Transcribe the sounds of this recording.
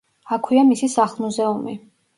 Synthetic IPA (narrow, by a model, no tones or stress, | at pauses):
akʰwiamisisaχlˠmuzɛumi